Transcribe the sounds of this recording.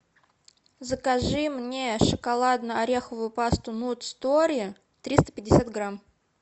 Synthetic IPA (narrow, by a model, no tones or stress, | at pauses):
zəkaʐɨmnʲeʂəkalˠad̪nəɐɾʲexəvʊjʊpast̪ʊnut̪st̪oɾʲɪə | t̪ɾʲist̪ə̥pʲɪdʲɪsʲat̪ɡɾam